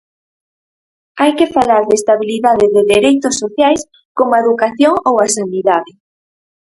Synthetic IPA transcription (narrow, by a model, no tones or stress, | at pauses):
ajkɪfalaɾðest̪aβiliðaðɪðɪðeɾejt̪ʊsːoθjajs | komaeðukaθjoŋowasaniðaðɪ